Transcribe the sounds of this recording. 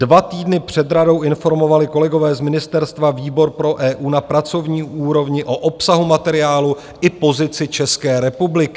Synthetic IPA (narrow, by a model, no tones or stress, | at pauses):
dvat̪iːdnɪpr̝̥ɛd̪ɾado̞wɪnfo̞ɾmo̞valɪko̞lɛɡo̞vɛːzmɪnɪst̪ɛɾst̪vaviːbo̞ɾpɾo̞ʔɛːʔuːnapɾat͡so̞vɲiːʔuːɾo̞vɲɪʔo̞ʔo̞psaɦumat̪ɛɾɪaːlu | ʔɪpo̞zɪt͡sɪt͡ʃɛskɛːɾɛpublɪkɪ